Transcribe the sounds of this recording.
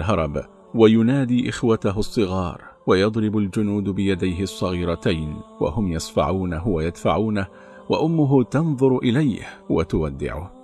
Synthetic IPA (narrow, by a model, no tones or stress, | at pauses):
lɦɑɾˤɑb | wajʊnaːd̪iːʔɪxwat̪aɦʊsˤːɨɣɑːɾˤwajɑd̪ˤɾɪbʊld͡ʒʊnuːd̪bɪjad̪ajɦɪɑsˤːɑɣiːɾat̪ajnwa̰hʊmjɑsˤfɑ̰ʕuːnɦʊwajad̪faʕuːna | wa̰ʔʊmːʊɦʊt̪ɑnðˤʊɾʔɪlajhwat̪ʊwad̪ːɪ̰ʕʊ̰h